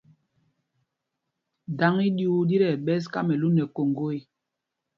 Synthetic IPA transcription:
da˨˦ŋi˦du˦u˦di˦ɾɛ˨ɓɛ˦s̬ka̰˦mɛ˨lu˦nɛ˨ko˨ŋɡo˦i˦

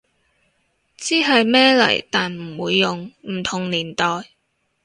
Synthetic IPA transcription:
t͡siː˥ɦɐ˨jmɛː˥lɐ̰˨˩jt̪aː˨nm̩˨˩wuː˨˧jːʊ˨ŋm̩˨˩t̪ʰʊ˨˩ŋliː˨˩nt̪ɔː˨j

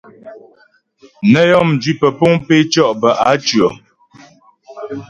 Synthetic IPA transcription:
nə˦jɔ˦˨md͡ʒɥi˦pə˨po˦ŋpe˦t͡ʃɔ˦ʔbə˨ʔa˨˦t͡ʃɰɔ˨

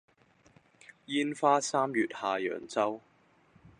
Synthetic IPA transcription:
jiː˥nfaː˥saː˥mjyː˨t̚haː˨jœ̰ː˨˩ŋt͡sɐ˥w

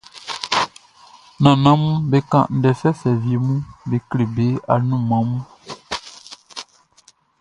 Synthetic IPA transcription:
nã˨nã˨˦mũ˦be˨˦kã̰˦˨ʔn̩˨˦dɛ˨sɛ˦sɛ˨vje˨˦mũ˦be˨kle˨be˨˦a˨nũ˦˨mã˨˦mũ˦

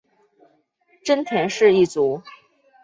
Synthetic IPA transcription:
ʈ͡ʂə˥nt̪ʰjɛ˧˥nʂɻ̩˥˧i˥˩t͡su˧˥

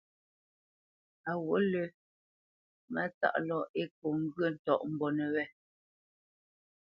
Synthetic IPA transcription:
a˨wo˨˦lə˨ | mɛ˦˨t͡sa̰˦˨ʔlɔ˦˨e˦k̚o˨ŋ̩˦ɡɥə˦˨n̩˨tɔ̰˨ʔm̩˨bɔ˨nɛ˨wɛ˦˨

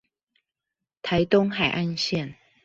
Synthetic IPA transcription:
t̪ʰa˨˦ɪt̪ʊ˥ŋxa˨˩ɪʔa˥˧nɕjɛ˥˨n

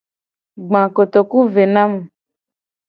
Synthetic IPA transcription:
ɡ͡bã˨ko˨t̪o˨ku˦ve˨nã˦mũ˨

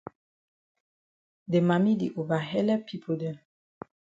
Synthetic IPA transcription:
de˨ma˨mi˦dḭ˨ʔo˨ba˨ɦɛ˦lɛ˦pʰi˦pʰu˨də˨

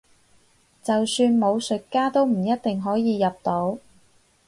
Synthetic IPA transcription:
t͡sɐ˨wsyː˧nmo˨˧wsɵ˨t̚kːaː˥t̪o˥wm̩˨˩jɐ˥t̪̚t̪ɪ˨ŋɦɔː˨˥jiː˨˧jɐ˨p̚t̪o˨˥w

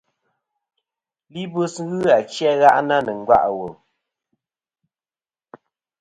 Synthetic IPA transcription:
li˦bo˦sɣɨ˦a˨t͡ʃjɛ˦ɣa˦ʔna˦nə˨ŋ̩˦ɡwa̰˦ʔwo˨

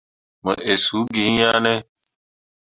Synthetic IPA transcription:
mə̃˨ʔe˨suː˦ɡĩː˨˦jaː˦nẽː˦

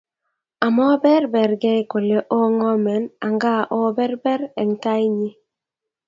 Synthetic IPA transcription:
a˨mɔ˦bɛ˦ɾbɛ˨ɾɡɛ˦ko˨le˨ʔo˦ŋɔ˦mɛ˨na˨ŋɡa˦ʔɔ˦bɛ˦ɾbɛ˦ɾɛ˨ŋta˦i˦ɲi˦

